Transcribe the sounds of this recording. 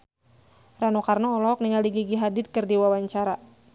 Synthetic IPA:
ranokarnaɔlɔɦɔk̚niŋaliɡiɡiɦadɪt̪̚kɨrdiwawaɲt͡ʃaɾa

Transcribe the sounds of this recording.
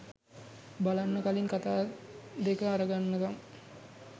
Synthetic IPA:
balanːəkalinkat̪aːd̪ekəaɾəɡanːəkam

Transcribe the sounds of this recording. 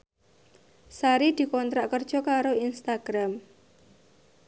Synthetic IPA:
saɾid̪̥i̤kɔnt̪ɾaʔkərd̥ʒ̥ɔ̤kaɾoinst̪aɡ̥ɾam

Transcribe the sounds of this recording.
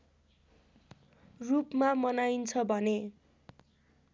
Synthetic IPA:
rupmamʌnajnt͡sʰʌbʱʌne

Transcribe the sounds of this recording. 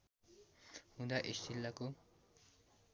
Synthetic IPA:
hũd̪aʔist̪ilːako

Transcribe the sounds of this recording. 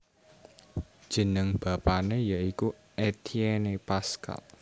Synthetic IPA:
d̥ʒ̥ə̤nəŋb̥a̤panejaiku | et̪ʰienepaska̰l

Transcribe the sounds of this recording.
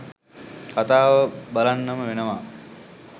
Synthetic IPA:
kat̪aːʋəbalanːəməʋenəʋa

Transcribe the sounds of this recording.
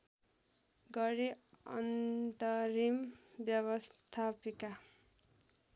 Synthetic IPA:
ɡʌɾiʌ̰nt̪ʌɾimbjʌβʌst̪ʰapika

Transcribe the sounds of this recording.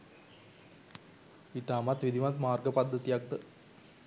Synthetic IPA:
it̪aːmat̪ʋid̪ʱiʋmat̪maːrɡəpad̪ʱːət̪ijak̚t̪ə

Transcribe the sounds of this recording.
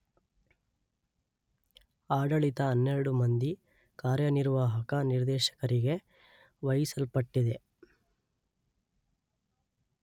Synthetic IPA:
aːɖɐɭit̪ɐːnːeɾɐɽumɐnd̪i | kaːɾjɐniɾʋaːɦɐkɐniɾd̪ɛːʃɐ̥kɐɾiɡe̞ | ʋɐjisɐlpɐʈːid̪e̞

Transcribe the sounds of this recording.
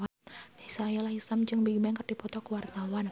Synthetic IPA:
disajalahisamt͡ʃɨŋbiɡbaŋkərdipɔt̪ɔkuwart̪awan

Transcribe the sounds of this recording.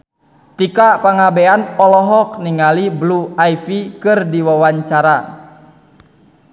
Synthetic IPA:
t̪ikapaŋabeanɔlɔɦɔk̚niŋalibluaifikɨrdiwawaɲt͡ʃaɾa

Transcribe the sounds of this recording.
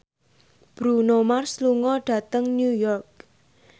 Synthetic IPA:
b̥ɾunomarsluŋɔɖ̥ä̤t̪əŋnjujɔrk̚

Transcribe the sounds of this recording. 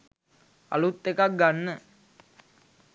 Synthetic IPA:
a̰lut̪ekaɡanːə

